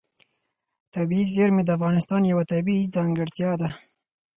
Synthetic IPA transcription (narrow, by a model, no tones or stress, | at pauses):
t̪abiizjeɾmed̪əafɣɑnɪst̪ɑnjawat̪abiid͡zɑŋɡɪɽt̪jɑd̪a